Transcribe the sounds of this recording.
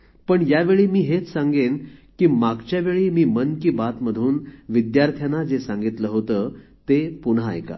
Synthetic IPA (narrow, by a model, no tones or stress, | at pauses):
pəɳjaʋeɭiːmiːɦet͡ssaŋɡenkiːmaɡt͡ɕjaʋeɭiːmiːmənkiːbat̪məd̪ʱuːnʋid̪jaɾt̪ʰjanad͡zesãŋɡit̪ləɦot̪əːt̪epunɦa̰ːjka̰